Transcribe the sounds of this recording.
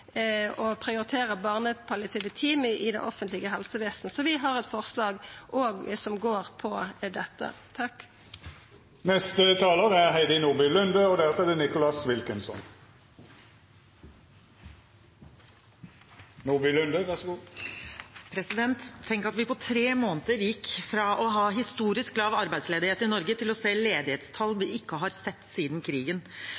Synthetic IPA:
ɔpʰʁɪʊʁɪt̪ʰeːʁəbɑːʁnəpʰɑlɪt̪ʰeːd̪ət̪ʰiːməʔɪd̪ɛ̰nʔɔfənt̪lɪɡəɦɛlsəʋɛːst̪n̩sɔʋɪɦɑʁɛt̪fɔʁslɑːɡʔoːɡsɔmɡoːʁpʰɔd̪ɛt̪ːə̰t̪ʰɑkː | nɛst̪ət̪ʰɑːləʁəæʁɦæɪd̪ənuːʁbʏlʉnd̪əɔd̪æʁt̪ɛd̪ɛnɪkʊlɑsʋɪlkənsɔ̰n | nuːʁbʏlʉnd̪əʋæʁsɔɡuː | pʰɾɛsɪd̪ɛnt̪ʰːɛŋkəɾɑt̪ʋɪpɔt̪ʰɾeːmoːnət̪əɾjɪkːfɾɑʔɔɦɑːɦɪst̪uːɾɪsk̚lɑːʋɑɾbæɪd̪sleːd̪ɪheːt̪ɪnɔɾɡət̪ɪlɔseːleːd̪ɪheːt̪st̪ʰɑlːʋɪɪkːəɦɑɾsɛt̪ːsiːd̪n̩kʰɾiːɡən

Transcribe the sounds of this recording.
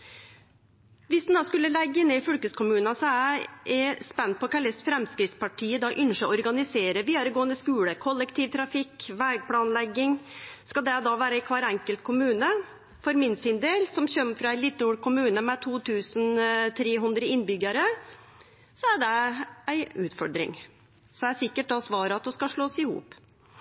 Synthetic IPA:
ʋɪsd̪ɛnd̪ɑːskʉlːəlɛɡːəneːfʉlkəskʰʊmʉːnɑsɔæɛspɛn̚ːpʰɔkʰæːɭɛst̪fɾɛmskɾɪtspɑʈʰiːəd̪ɑʔʏnʂəɔɾɡɑnɪseːɾəʋiːəɾɡoːənd̪əskʉːləkʰɔlːɛkt̪ʰiːʋt̪ʰɾɑfɪkːʋæːɡ̚pʰɽɑːnlɛɡːɪŋskɑld̪ɛd̪ɑʋæːɾəæɪkʰʋɑɾɛŋkəlt̪̚kʰʊmʉːnə | fɔɾmɪnsɪnd̪eːlsɔmçœmːfɾɑælɪt̪ːəuːɽkʰʊmʉːnəmɛt̪ʰuːt̪ʰʉːsnt̪ʰɾeːɦʉnd̪ɾəɪnbʏɡəɾə | sɔæɖɛæɪʉːt̪fɔɾd̪ɾɪ̰ŋ | sɔæsɪkːəʈ̚d̪ɑsʋɑːɾəɑt̪̚d̪uskɑʂɭoːsɪhṵːp

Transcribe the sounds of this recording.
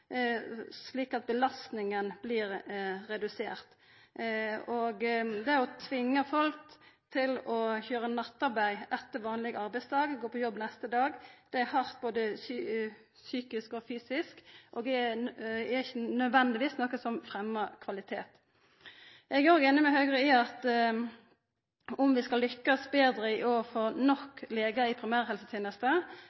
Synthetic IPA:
sliːkɑt̪̚bəlɑst̪nɪŋənblɪɾɾɛd̪ʉseːɾt̪ | ɔɡd̪ɛæɾɔt̪ʰʋɪŋːəfɔlk̚t̪ʰɪlɔçøːɾənɑt̪ːɑɾbæɪʔɛt̪ːəɾʋɑːnlɪɡɑɾbæɪst̪ʰɑːɡɡoːpʰɔjɔbːnɛst̪əd̪ɑːɡd̪̥ɛæhɑʁt̪boːd̪əs | syːkɪskɔfyːsɪskʔoɡ̪ɛ | æɪçənœd̪ʋɛnd̪ɪʋiːsnɔkːəsɔmfʁɛmːɑkʰʋɑlɪt̪ʰeːt̪ | ɛɡæɾoːɡeːnɪmæɪhœɡʁəɪɑt̪ | ʊmʋɪskɑlːʏkːɑsbeːd̪ɾəɪʔoːfɔʁnɔkːleːɡəɪpʰɾɪmæːʁhɛlsət̪ʰeːnəst̪ə

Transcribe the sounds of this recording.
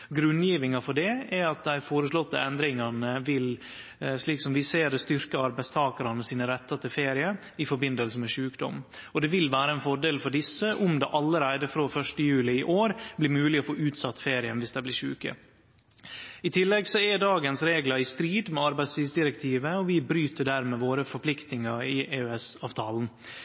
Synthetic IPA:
ɡɾʉnjiːʋɪŋɑfɔɖɛɛɾɑt̪̚d̪æɪfoːɾəʂlɔt̪ːə̰ɛnd̪ɾɪŋɑnəʋɪl | ʂɭiːksɔmʋɪseːɾd̪ɛst̪ʏɾkəɑɾbæɪst̪ʰɑːkɑɾɑnəsiːnəɾɛt̪ːɑt̪ʰɪlfeːɾɪə | ɪfɔɾbɪnd̪əlsəmɛʂʉːkd̪ɔ̰mɔd̪ɛʋɪlʋæːɾəɛnfɔɖeːlfɔɖɪsːəʔʊmd̪ɛʔɑlːəɾæɪd̪əfɾoːfœʂʈəjʉːlɪɪʔoːɾblɪɾmʉːlɪɔfoːʔʉːt̪sɑt̪ːfeːɾɪənʋɪsd̪ɛblɪʂʉːkə̰ | ɪt̪ʰɪlːɛɡsɔɛɖɑːɡənsɾeːɡlɑɪst̪ɾiːd̪mɛɑɾbæɪd̪st̪ʰiːsd̪ɪɾɛkt̪ʰiːʋəɔʋɪbɾyːt̪əɖæːɾmɛʋoːɾəfɔpʰlɪkt̪nɪŋɑɾɪʔeːœɛsɑːʋt̪ʰɑːln̩

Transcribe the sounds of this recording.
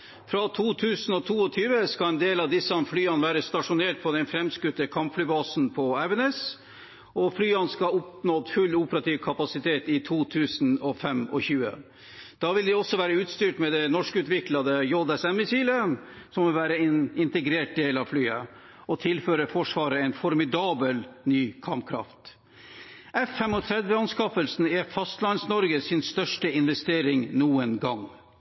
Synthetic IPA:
fɾɑt̪ʰuːt̪ʰʉːsn̩ɔt̪ʰuːɔt̪ʰyːʋəskɑɛnd̪eːlɑʋd̪ɪsːɑmflyːɑnʋæːɾəst̪ɑʂʊneːʈ̚pʰɔd̪ɛnfɾɛmskʉt̪ːəkʰɑmpflyːbɑːsnpʰɔæʋɛnɛs | ɔflyːɑnskɑʊpnɔd̪fʉlːuːpəɾɑt̪iːʋkʰɑpɑsɪt̪ʰeːt̪ɪt̪ʰuːt̪ʰʉːsn̩ɔfɛmɔ̰çʉːə̰ | d̪̥ɑːʋɪld̪ɪɔsːɔʋæːɾəʉːt̪st̪yːʈmɛd̪ɛnɔʂkʉːt̪ʋɪklɑd̪əjɔd̪ɛsɛmːɪsiːlə | sɔmʋɪlʋæːɾəɪɪnt̪əɡɾeːʈ̚d̪eːlɑʋflyːə | ɔt̪ʰɪlføːɾəfɔʂʋɑːɾəɛɪnfɔɾmɪd̪ɑːbəlnyːkʰɑmpkʰɾɑ̰ft̪ | ɛfːɛmɔt̪ʰɾɛd̪ʋjəɑnskɑfəlsn̩ɛfɑst̪lɑnsnɔɾɡəsɪnst̪œʂʈəɪnʋɛst̪eːɾɪŋnuːənɡɑŋ

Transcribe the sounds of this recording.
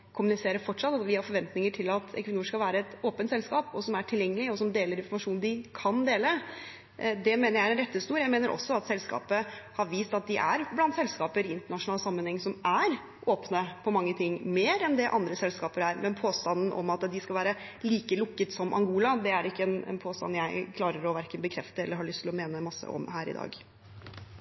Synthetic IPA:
kʰʊmʉnɪseːɾəfɔʈʂɑt̪ːɑt̪ʋɪhɑɾfɔɾʋɛnt̪nɪŋəʈʰɪlɑt̪ɛ̰kʋɪnuːɾʂkɑlʋæːɾəɛt̪oːpənt̪sɛlskɑːpɔsɔmæʈʰɪljɛŋːəlɪɔsɔmd̪eːləɾɪnfɔɾmɑʂuːnd̪ɪkʰɑnd̪eːlə | d̪ɛmeːnəɾjæɪɾɛnɾɛt̪ːəst̪uːɾjæɪmeːnəɾʔɔ̰sːɔɑt̪sɛlskɑ̰ːpəhɑɾʋiːst̪ɑt̪̚d̪ɪʔæ̰ɾblɑnt̪sɛlskɑːpəɾɪnt̪əɳɑʂʊnɑːləsɑmːənhɛŋːsɔmæɾ | ʔoːpnəpʰɔmɑŋːət̪ʰɪŋːmeːɾɛnd̪ɛʔɑnd̪ɾəsɛlskɑːpəɾæɾmʔɛnpʰoːst̪ɑnn̩ʔɔ̰mɑt̪d̪ɪskɑlʋæːɾə | liːkəlʊkːət̪sɔmʔɑ̰ŋɡuːlɑd̪ɛæɾɪkːəɛnɛ̰npʰoːst̪ɑ̰njæɪkʰlɑːɾəɾɔʋæɾkənbəkʰɾɛft̪əɛlːəɾhɑɭʏst̪ʰɪlɔmeːnəmɑsːə̰ɔ̰mɦæːɾɪ̰d̪ɑ̰ːɡ

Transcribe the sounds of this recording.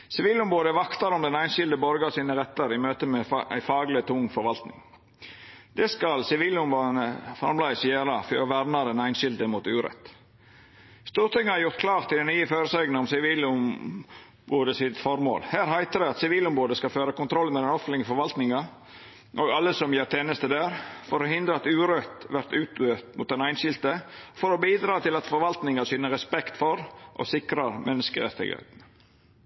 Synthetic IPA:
sɪʋiːləʊmboːd̪əʋɑkt̪ɑɾɔmd̪ɛnæɪnʃɪld̪əbɔɾɡɑsiːnəɾɛt̪ːəɾɪmøːt̪əmɛæ̰ɪfɑːɡlɪt̪ʰʊŋːfɔɾʋɑlt̪nɪ̰ŋ | d̪̥ɛskɑlsɪʋiːləʊmboənəfɑ̰ɾmlæɪsjæːɾɑfɔʋæɾnɑd̪ɛnæɪnʃɪld̪əmuːt̪ʉːɾɛ̰t̪ | st̪uːɾt̪ʰɪŋːəhɑɾjʊɾt̪̚kʰlɑːɾt̪ɪd̪ɛnyːəføːɾəsæɪɡnəɔmsɪʋiːlʊm | boːd̪əsɪt̪fɔɾmo̰ːlhæːɾɦæɪt̪əd̪æɪɑt̪sɪʋiːlʊmɾoːd̪əskɑføːɾəkʊnt̪ʰɾɔlːmɛd̪ɛnɔflɪɡəfɔɾʋɑlt̪nɪŋɑ | ʔɔɡɑlːəsɔmjeːɾt̪ʰeːnəst̪əd̪æːɾfɔɾɔhɪnd̪ɾəɑt̪ʉːɾœt̪ʋæɾt̪ʉːt̪øːt̪mʊt̪̚d̪ɛnæɪnʃɪlt̪əfɔɾɔbiːd̪ɾɑːt̪ɪlɑt̪fɔɾʋɑlt̪nɪŋɑsʏnːəɾɛspɛkt̪fɔɾʔɔ̰sɪkɾɑɾmʔɛnːəskəɾɛ̰t̪ːɪ̰ɡhæ̰ɪt̪n̩

